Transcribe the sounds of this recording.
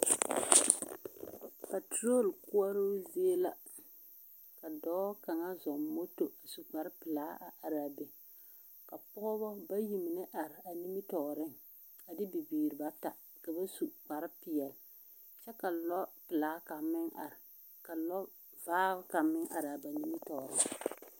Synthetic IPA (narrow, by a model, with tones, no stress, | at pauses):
pa˨tɾo˦˨lkʊ˦ɔ˦ɾo˦zi˦e˦la˦ | ka˨dɔː˦ka˨ŋa˦zɔ˨mmo˦to˨a˨su˨k͡pa˨ɾɪ˦pɪ˨laː˦ʔa˨ʔa˨ɾa˨be˨ | ka˨pɔ˦ɔ˦bɔ˦ba˦ji˨mɪ˨nɪ˦ʔa˨ɾɪ˨a˨ni˦mi˦tɔː˨ɾɪ˦ŋ | a˨dɪ˦bi˨biː˨ɾɨ˨ba˦ta˨ | ka˨ba˦su˨k͡pa˨ɾɪ˦pɪ˨jɛ˨l | t͡ʃɛ˦ka˨lɔ˦pɪ˨laː˨˦ka˨mɪ˦ŋa˨ɾ | ka˨lɔ˦ | vaː˦ɣka˨mɪ˦ŋʔa̰˨ɾa˨ba˨ni˦mi˦tɔː˨ɾɪ̰˦ŋ